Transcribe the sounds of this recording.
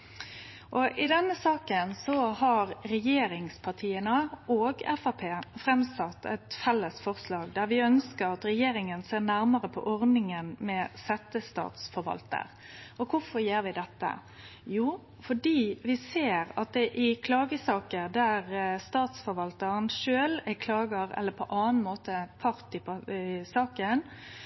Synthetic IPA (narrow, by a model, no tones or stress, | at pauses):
ʔɔʔɪd̪ɛnːəsɑːkənsɔhɑɾɾɛjeːɾɪŋspʰɑʈʰiːənəʔoːɡɛ̰fɑpʰeːfɾɛmsɑt̪ːɛt̪fɛlːəsfɔɾslɑːɡd̪æɾʋɪœnskəɾɑt̪ɾɛjeːɾɪŋənseːɾnæɾməɾəpʰɔ̰ʔɔɾd̪nɪŋənmɛsɛt̪ːəst̪ɑ̰ːt̪sfɔɾʋɑ̰lt̪ə̰ɾ | ʔɔkʰʊfɔɾjeːɾʋɪd̪ɛt̪ːə̰ | juː | fɔɖiːʋɪseːɾɑ̰t̪̚d̪ɛʔɪkʰlɑːɡəsɑːkəd̪æʁst̪ɑːt̪sfɔɾʋɑlt̪əɾənʃøːlɛkʰlɑːɡəɾɛ̰lːəɾpʰɔʔɑːənmoːt̪əpʰɑɾt̪ɪpɑsɑːkən